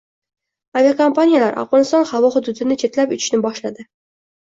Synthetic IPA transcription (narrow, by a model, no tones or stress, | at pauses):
avʲiakompanʲijalaɾʔa̰vʁɒnɪst̪ɒnhavɒhʊd̪ʊd̪ɪnɪt͡ʃʰe̞t̪lapʊt͡ʃʰɪ̥ʃnɪbɒʃlad̪ɪ